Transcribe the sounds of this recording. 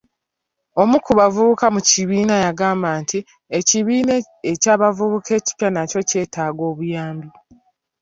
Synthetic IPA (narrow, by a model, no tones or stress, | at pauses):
o̞mukuβavuβukamuciβiːnajaɡaːmbaːntʰi | eciβiːne | ecaːβavuβukʰe̞ːci̥pjanaco̞ce̞ːtʰaːɡo̞ːβujaːmbi